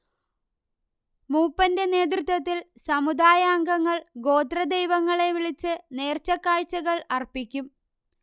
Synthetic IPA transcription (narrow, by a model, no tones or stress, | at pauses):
muːpːɐnde̞ne̞ːd̪̬rut̪ʋɐt̪ːilsɐmud̪aːjaːŋɡɐŋːɐɭɡo̞ːd̪rɐd̪ejʋɐŋːɐɭe̞ʋiɭit͡ɕːɨne̞ːrt͡ɕːɐkːaːɻt͡ɕːɐɣɐɭɐrpikʲːum